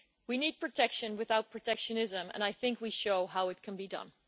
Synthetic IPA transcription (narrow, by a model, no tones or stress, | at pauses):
winid̚pʰɹ̥ɨtʰɛkʃɨ̃nwɨθaʊt̚pʰɹ̥ɨtʰɛkʃɨnɪzə̃mɨ̰̃naɪθɪ̃ŋkwiʃoʊɦaʊɨt̚kʰɨ̃nbidʌ̰̃n